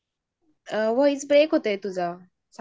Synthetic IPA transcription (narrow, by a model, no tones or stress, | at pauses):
ʋəit͡sbɾekɦot̪ejt̪ud͡zʱa | s